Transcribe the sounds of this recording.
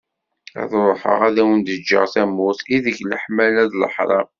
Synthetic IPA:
æ̰ðɾˤoħə̰ʁæðæwənd̪əd͡ʒːə̰ʁθæmuθiðəçləħmælæðlə̰ħɾˤɑ̰

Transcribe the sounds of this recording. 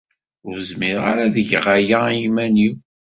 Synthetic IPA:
ʊɾzmiɾa̰ɾaðəʝʁajaimæni

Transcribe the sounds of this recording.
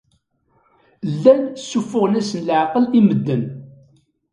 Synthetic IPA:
lːænsːufːʊʁnæsənlʕqəliməd̪ːən

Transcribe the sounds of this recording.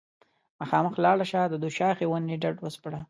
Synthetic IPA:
maxɑːməxlɑɽaʃɑd̪əd̪uʃɑxewanːiɖaɖwəspɽa

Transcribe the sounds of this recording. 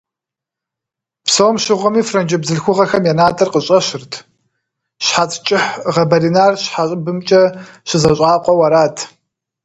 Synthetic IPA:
psoːmʃɪʁʷɔmiːfrɐnd͡ʒɐbzɨɬxʷʊʁɐxɐmjanaːtʼɐrqəɕʼɐɕɪrtʰ | ɕħat͡sʼt͡ʃʼɪħʁɐbɐɾinaːrɕħaɕʼɪbɨmt͡ʃʼɐɕɪzɐɕʼaːqʷʼɔwɐɾaːtʰ

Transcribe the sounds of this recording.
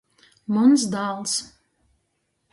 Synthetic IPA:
mɔnsd̪aːlˠs

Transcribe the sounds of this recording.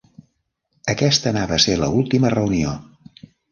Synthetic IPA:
əkɛst̪ənaβəselə̰ulˠt̪imərəunio

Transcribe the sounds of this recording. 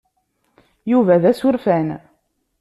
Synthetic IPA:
juvæðæsʊɾfæn

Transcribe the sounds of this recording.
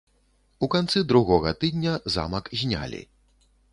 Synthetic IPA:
ukant̪sɨd̪ɾuɣɔɣɐt̪ɨd̪ʲnʲɐza̰mɐkzʲnʲa̰lʲḭ

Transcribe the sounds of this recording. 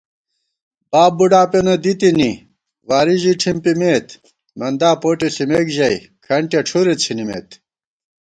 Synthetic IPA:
baːbːuɖaːpenod̪it̪ini | waːɾiʑiʈʰimpimeːt̪ | mɐnd̪aːpoːʈesimekʑɐi | kʰɐɳʈjɐʈ͡ʂʰuɾet͡ɕʰinimḛːt̪

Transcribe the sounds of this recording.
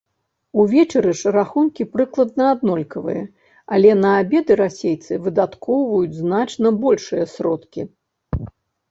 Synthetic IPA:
uvʲɛt͡ʂɐɾɨʂraxunkʲipɾɨklˠɐd̪̚nɐːd̪nɔlʲkɐvɨ̰jɐ̰ | alʲɛnɐabʲɛd̪ɨɾasʲejt̪sɨvɨd̪at̪kɔwvɐjud͡zʲznat͡ʂnɐbɔlʲʂɨjɐsɾɔt̪kʲi

